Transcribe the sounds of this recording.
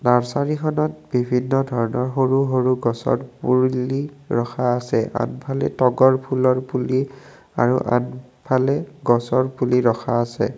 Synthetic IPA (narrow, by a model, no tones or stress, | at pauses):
naɹsaɹikʰɔnɔt̚bibʱinːɔdʱɔɹɔnɔɹɦoɹuɦoɹuɡɔsɔ̰ɹpuɹliɹɔxʰaːsɛʔa̰npʰalɛ̰tɔɡɔɹpʰulɔɹpuli | a̰ɹuʔa̰n | pʰalɛɡɔsɔɹpuliɹɔxʰaːsɛ̰